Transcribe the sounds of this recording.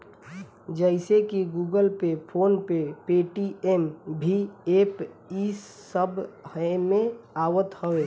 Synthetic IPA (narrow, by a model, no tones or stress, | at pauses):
d͡ʒəɪsekiɡuːɡəlpepʰoːnpepeːʈiembʱieːp | i | əbhəmẽaːʋət̪həweː